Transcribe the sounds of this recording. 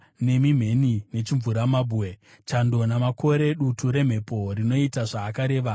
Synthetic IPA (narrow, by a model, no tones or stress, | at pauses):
ne̞mim̤e̞nine̞t͡ʃiɱvuɾamabʱuwe | t͡ʃando̞namako̞ɾe̞ɗutuɾe̞m̤e̞po̞rino̞itaʐaːkaɾe̞ːʋa